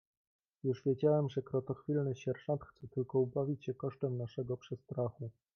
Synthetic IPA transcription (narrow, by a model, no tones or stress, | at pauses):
juʐvʲjed͡ʑawɛmʐɛkɾɔt̪ɔxfʲilnɘɕɛɾʂɔnt̪xt̪sɛt̪ɘlkɔubavʲit͡ɕɕɛkɔʂt̪ɛmnaʂɛɡɔpʂɛst̪ɾaxu